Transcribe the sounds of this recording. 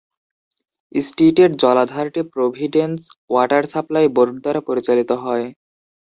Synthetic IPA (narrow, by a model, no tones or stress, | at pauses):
isʈiʈeɾd͡ʑɔlad̪ʱaɾʈipɾobʱiɖenswaʈaɾsaplaeboɾuɖ̚d̪aɾapoɾit͡ɕalit̪oɦɔe